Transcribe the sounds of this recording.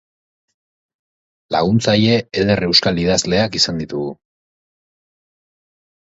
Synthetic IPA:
la̰ɣ̞unt͡saje̞eðere̞wskalið̞azle̞akisand̪it̪uɣu

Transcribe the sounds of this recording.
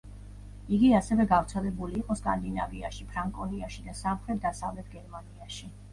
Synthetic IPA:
iɡiasɛvɛɡavɾt̪sʰɛlɛbuliːqʼɔskʼa̰nd̪ina̰viaʃipʰɾaŋkʼɔniaʃid̪asamχɾɛt̪̚d̪asavlɛt̪̚ʰɡɛɾmaniaʃi

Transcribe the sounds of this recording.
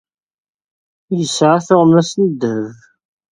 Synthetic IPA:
jəsʕaθʊʁmæsnəd̪əv

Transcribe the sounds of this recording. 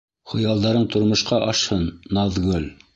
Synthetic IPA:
χŏjɑlˠd̪ɑɾɤɴt̪ŏɾmŏʃqɑʔɑʃhɤnːɑðɡɵl

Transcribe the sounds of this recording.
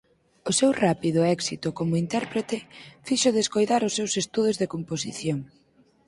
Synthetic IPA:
ʊsɛwrapiðʊɛksit̪ʊkomʊint̪ɛɾpɾet̪ɪfiʃʊðeskojðaɾʊsːewsest̪uð̞ʊzðekomposiθjoŋ

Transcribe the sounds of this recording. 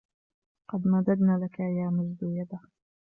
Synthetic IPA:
qɑd̪mad̪ad̪naːlakajaːmʊzd̪ʊjad̪a

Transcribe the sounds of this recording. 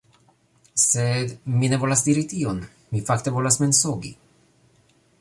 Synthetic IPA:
sed̪minevolasd̪iɾit̪ion | mifakt̪evolasmensoːɡḭ

